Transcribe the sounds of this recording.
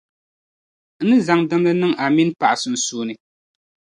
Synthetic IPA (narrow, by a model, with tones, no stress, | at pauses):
n̩˦nɨ˦za˨ŋdɨ˦mlɨ˦nɨ˦ŋa˨mi˦npa˨ʔa˨sɨ˨n̩˨suː˦˨nɨ˨